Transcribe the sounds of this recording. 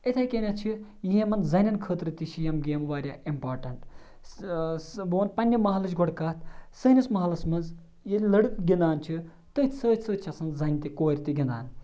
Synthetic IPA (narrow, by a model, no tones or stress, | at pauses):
et̪ʰɐːjkʲenʲat͡ʃʰijiɦẽmɐnzɐnʲɐnkʰəːt̪ɾɨt̪iʃʰijɐmɡʲeːmʋaːɾʲjaːimpaːɾʈɐɳʈ | boːnpɐnʲːɐmɐɦɐlɐt͡ʃɡoɽkaːt̪ʰsəːnʲɐsmɐɦɐlɐsmɐnz | jelʲlɐɽɨkɡʲind̪aːnt͡ʃʰi | t̪ɨt̪ʰʲsəːt̪ʰʲsəːt͡ʃʰɐsɐnzɐnʲt̪ikoːɾʲt̪iɡʲind̪a̰ːn